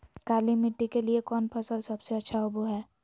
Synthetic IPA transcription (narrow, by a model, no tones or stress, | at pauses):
kaːlimɪʈːikeliekɔːnpʰɐsəlsɐbseɐtːʃʰaʊbuɦɛː